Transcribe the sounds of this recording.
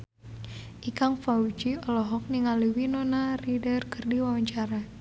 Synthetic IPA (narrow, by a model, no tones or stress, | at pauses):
ʔikaŋfaud͡ʒiɔlɔɦɔk̚niŋaliwinɔnaridərkərdiwawaɲt͡ʃaɾa